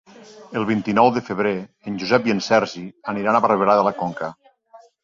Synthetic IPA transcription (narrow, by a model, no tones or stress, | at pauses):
əlˠβ̞int̪inɔwðəfəβ̞ɾe | ənʲd͡ʒuzɛpiənsɛɾʒiəniɾanaβarəβelaðəlakoŋkə